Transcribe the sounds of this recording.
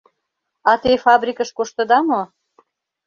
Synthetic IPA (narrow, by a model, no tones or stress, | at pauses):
ɑt̪efɑbrʲikəʃkoʃt̪ə̆d̪ɑmo